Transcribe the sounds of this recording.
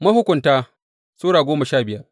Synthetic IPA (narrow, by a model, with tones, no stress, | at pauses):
mɐ˦hʊ˦kʷʊ˨ntaː˦ | soː˦ɽaː˨ɡʷoː˦ma˨ʃaː˦˨bɪ˦ja˦